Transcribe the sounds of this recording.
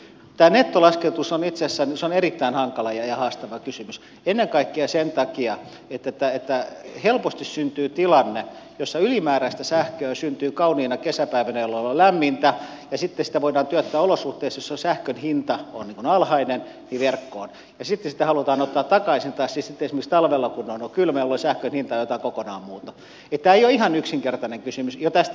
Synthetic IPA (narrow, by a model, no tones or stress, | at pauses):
t̪æːnet̪ːolɑsket̪usonit̪sesːænseonerit̪ːæinhɑŋkɑlɑjɑjɑhɑːst̪ɑʋɑkysymys | enːeŋkɑikːiɑsent̪ɑkiɑ | et̪ːæt̪ːæet̪ːæhelpost̪issynt̪yːt̪ilɑnːejosːɑylimæːræist̪æsæhkøæsynt̪yːkɑuniːnɑkesæpæiʋænæjolːɑlollæmːint̪æ | jɑsit̪ːesi̥t̪æʋoidɑːnt̪yæt̪ːæːolosuht̪eːsjosːɑsæhkønhint̪ɑonniːŋkunɑlhɑinen | niʋerkːoːn | jɑsit̪ːesit̪æhɑlut̪ɑːnot̪ːɑːt̪ɑkɑisint̪ɑːsisit̪ːeesmikst̪ɑlʋelːɑkunonokylmeolːosæhkønhint̪ɑjot̪ɑkokonɑːmmuːt̪ɑ | et̪t̪æːeijoihɑnyksiŋkert̪ɑneŋkysymysjot̪æst̪